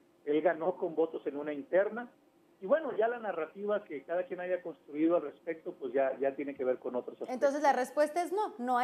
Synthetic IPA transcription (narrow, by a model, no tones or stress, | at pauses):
e̞lɣano̞ko̞mbo̞t̪o̞se̞nũnaint̪e̞ɾna | iβwe̞no̞ʝalanarat̪iβake̞kaðakjenaʝako̞nst̪ɾuiðoalre̞spe̞k̚t̪o̞pwe̞szʝaʝat̪je̞neke̞βe̞ɾko̞no̞t̪ɾosaent̪o̞ns̬e̞zlare̞spwe̞st̪aezno̞noa